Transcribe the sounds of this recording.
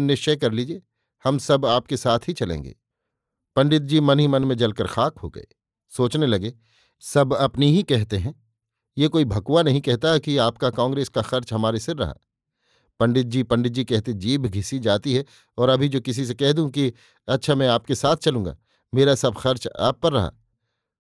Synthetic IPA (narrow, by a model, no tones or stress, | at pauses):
nɪʃt͡ʃəkɐɾlid͡ʒieː | hɐmsɐbaːp̚kesaːt̪ʰɦit͡ʃɐlḛ̃ːŋɡḛː | pɐ̃ɳɖɪt̪̬̚d͡ʒiːmɐnɦimɐnmẽd͡ʒɐlkəɾxaːkɦo̰ːɡɐ̰ḛː | soːt͡ʃnelɐɡeː | sɐbɐpniɦikɛɦt̪eɦɛ̃ː | jekoːibʱɐkuʋanɐɦĩkɛɦt̪aɦɛkiaːpkakãːŋɡɾeːskaxɐɾt͡ʃɦɐmaːɾesɪɾːɐ̰ɦa̰ː | pɐ̃ɳɖɪt̪̚d͡ʒiːpɐ̃ɳɖɪt̪̚d͡ʒikɛɦt̪ẽd͡ʒiːbʱɡʱɪsid͡ʒaːt̪iɦɛ | ɔːɾɐbʱid͡ʒoːkɪs̬is̬ekɛɦd̪ũki | ɐt̪ːʃʰamɛ̃aːpkesaːt̪̚ʰt͡ʃɐlũːɡa̰ː | meːɾasɐbxɐɾt͡ʃa̰ːpːɐɾːɐɦa̰ː